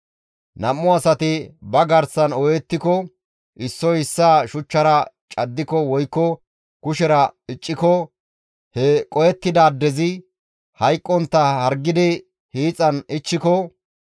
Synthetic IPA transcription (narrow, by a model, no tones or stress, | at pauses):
nɐmːʊɐsɐt̪ɪbɐɡɐɾsɐnɔjɛt̪ːɪkɔ | ʔɪsːɔɪsːaːʃʊt͡ʃːɐɾɐ | t͡ʃʼɐd̪ːɪkɔwɔjkːɔ | kʊʃɛɾɐɪt͡ʃʼːɪkɔ | hɛkʼɔjɛt̪ːɪd̪aːd̪ːɛzɪ | hɐjkʼːɔnt̪ːɐhɐɾɡːɪd̪ɪ | hiːt͡sʼːɐnɪt͡ʃːɪkɔ